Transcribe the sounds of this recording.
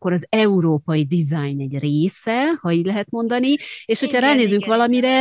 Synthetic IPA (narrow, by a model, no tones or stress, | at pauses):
kːo̞ɾɒzɛuɾoːpɒjid̪izajnɛɟreːsɛhɒiːɟlɛɦɛt̪mo̞nd̪ɒnieːʃho̞cʰhɒɾaːneːzyŋkʋɒlɒmiɾɛ